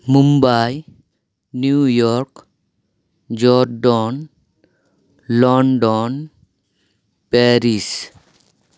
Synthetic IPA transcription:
mumbaj | njujɔɾk | d͡ʒɔɾɖɔn | lɔɳɖɔn | peɾis

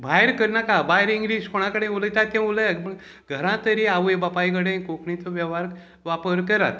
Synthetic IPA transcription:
bʱajeɾkəɾnakabajɾiŋɡɾid͡zkʰoɽ̃ãkəɽẽulət̪at̪ẽuləjə | ɡʱəɾãt̪əɾiaʋəjbapajɡəɽẽkokɳĩt̪oʋjɛʋaɾ | ʋapəɾkəɾat̪

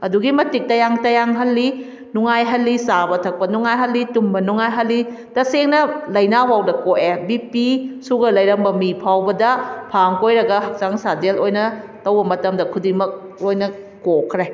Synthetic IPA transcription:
ɐduɡimɐtik̚tɐjaŋtɐjaŋɦɐlːi | nuŋajɦɐlːisabɐtʰɐk̚pɐnuŋajɦɐlːitumbɐnuŋajɦɐlːi | tɐseŋnɐlɐjnawawdɐkoʔebipisuɡɐlɐjɾɐmbɐmipʰawbɐdɐpʰaŋkojɾɐɡɐɦɐk̚t͡ʃaŋsadelojnɐtɐwbɐmɐtɐmdɐkʰudimɐk̚lojnɐː | okʰɾe

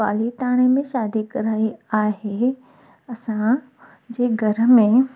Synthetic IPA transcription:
aːlit̪aːɽ̃emẽʃaːd̪ikɐɾaːiaːɦe | ɐsã | d͡ʑeːɡʱɐɾəmẽ

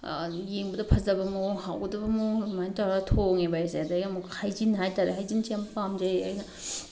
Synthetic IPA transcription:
jeŋbɐdɐpʰɐzɐbɐmuwɦawɡɐdɐbɐmomajnitaɾatʰoŋebajsadajɡamuhajzinːɦajtaɾeɦajzinsempamd͡ʒɐjajnɐ

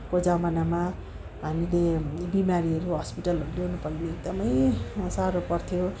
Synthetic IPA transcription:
kod͡zamanama | ɦamilebimaɾiʌɾuɦʌspiʈʌlɦʌɾuleɦunupʌɡneeɡ̚d̪ʌmʌjsaɾopʌrt̪ʰijo

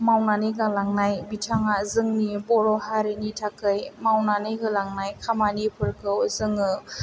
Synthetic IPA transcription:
mawnaniɡalaŋnajbitʰaŋazɯŋnibɔɾɔhaɾinitʰakɯjmawnanɯɦɯlaŋnajkʰamanipʰɯɾkʰɯwzɯŋɯ

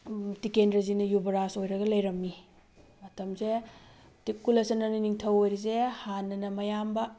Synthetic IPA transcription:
tikendɾɐzinɐjubɐɾasojɾɐɡɐlɐjɾɐmːi | mɐtɐmze | tip̚kulɐsɐnɐniniŋtʰɐwojɾizehanːɐnɐmɐjambɐ

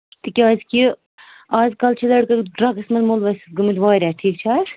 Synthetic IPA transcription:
t̪ikʲiaːzki | aːzkɐlt͡ʃʰilɐɽkɐɖɾɐɡɐsmɐnmolʋɐsɡɨmɨd̪ʋaːɾʲaːʈʰiːkt͡ʃʰaːɾ

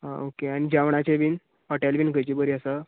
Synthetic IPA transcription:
ɦa̰okeañid͡ʑaʋɳ̃at͡ɕeʋin | pɔʈalbinkət͡ɕiːbəɾiəsa

